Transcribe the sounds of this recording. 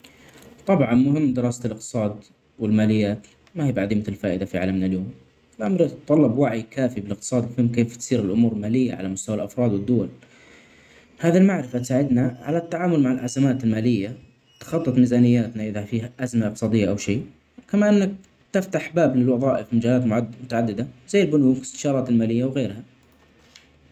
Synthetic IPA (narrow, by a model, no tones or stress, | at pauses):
t̪ˤɑbʕɑnmʊhɪmːd̪ɪɾɑːsalʔɪq̚t̪ɨ̥sˤɑːd̪ | wɪlmaːlɪjːaːt̪ | mahiːbaʕd̪iːmɪθɪlfaːʔɪd̪afiʕa̰lamnaljoːm | ɪlʔamɾt̪ˤːɑlːɑbwaʕikaːfibɪlɪq̚t̪ɨ̥sˤɑːd̪mʊhɪmːkeːft̪siːɾɪlʔʊmuːɾlmaːlɪjːa̰ʕa̰lamʊst̪awalʔɑfɾˤɑːd̪wɪd̪ːʊwal | haːðilmaʕɾɪfat̪saːʕɪd̪naʕa̰lat̪ːaʕaːmʊlmaʕɪlʔazamaːt̪ɪlmaːlɪjːa | t̪ḁxɑt̪ˤːɨt̪ˤmɪzaːnɪjːaːt̪naʔɪðafiːhaʔazmaʔɪq̚t̪ɨsˤɑːd̪ɪjːaʔawʃiː | kamaʔɪnːak̚ | t̪ɪft̪aħbaːblɪlwɑðˤɑːʔɪfmad͡ʒaːlaːt̪mʊʕmʊt̪aʕad̪ːɪd̪azajːɪlbʊnuːkɪ̥st̪ɪ̥ʃɑːɾˤɑːt̪ɪlmaːlɪjːawɣeːɾha